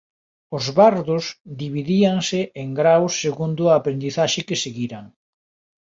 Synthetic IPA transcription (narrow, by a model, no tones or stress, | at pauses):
ʊzβaɾðʊsd̪iβiðiaŋsɪʔeŋɡɾawsːeɣund̪ʊaːpɾend̪iθaʃɪkeseɣiɾaŋ